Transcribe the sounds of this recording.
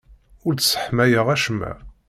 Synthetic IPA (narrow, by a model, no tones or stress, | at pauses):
ʊɾt͡ssə̥ħmæjəʁæʃəmːæ̰